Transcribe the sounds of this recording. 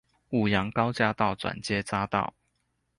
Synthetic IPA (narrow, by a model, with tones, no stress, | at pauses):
u˨˩jɑ˧˥ŋkɑ˥ʊt͡ɕja˥˧t̪ɑ˥˨ʊt͡swa̰˨˩nt͡ɕjɛ˥˦t͡sa˥t̪ɑ̰˥˩ʊ